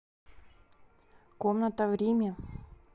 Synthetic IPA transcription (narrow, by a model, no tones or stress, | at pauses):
komnət̪əvɾʲemʲə